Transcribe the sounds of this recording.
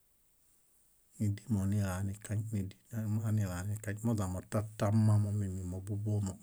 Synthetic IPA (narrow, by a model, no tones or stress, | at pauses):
nidimonilanikaɲnidimanilanikaɲmozamotatːamːamomimimobubomo